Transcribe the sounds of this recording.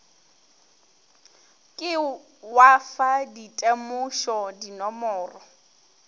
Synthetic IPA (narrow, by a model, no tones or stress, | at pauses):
kʼɪ | wafaditʼemʊʃɔdinɔmɔːrɔ